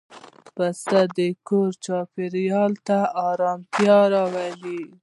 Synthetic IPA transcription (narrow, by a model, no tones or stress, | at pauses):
pasad̪əkoɾt͡ʃɑpɪɾjɑlt̪aɑɾɑmt̪jɑɾɑwali